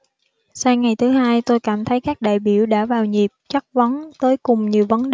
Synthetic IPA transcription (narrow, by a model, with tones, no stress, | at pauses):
saː˧ŋa˨˩jt̪ʰɨ˨˦haː˧jt̪o˧jkaː˧˩mt̪ʰə˨˦jkaː˦˥k̚ɗa̰ː˧˨jɓi˧˩əwɗa̰ː˧˥vaː˨˩wɲi˨˩p̚t͡ɕa˦˥k̚və˨˦nt̪əː˨˦jkʊ˨˩ŋ͡mɲi˨˩əwvə˨˦nɗ